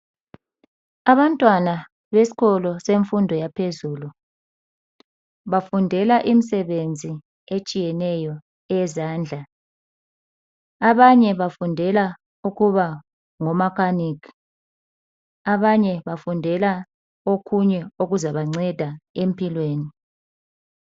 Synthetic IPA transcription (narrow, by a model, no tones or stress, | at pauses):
aβantʼwana | βesi̥ɣɔlɔseɱfundʱɔjapʰezulu | βafundʱɛlaʔim̩sɛβend͡zʱi | et͡ʃʼijɛnɛjɔ | ɛzaːnd͡ɮʱa | aβaɲɛβafundʱɛla | uɣuβa | ŋɔmakʰanikʰi̥ | aβaɲɛβafundʱɛla | okʰuɲɛoɣuzaβaŋ͡ǀɛd̥ʱaem̩pʰʼilweːni